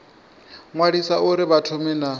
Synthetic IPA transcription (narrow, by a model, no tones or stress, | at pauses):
ŋwadisaʔuɾɪβatʰʊmɛna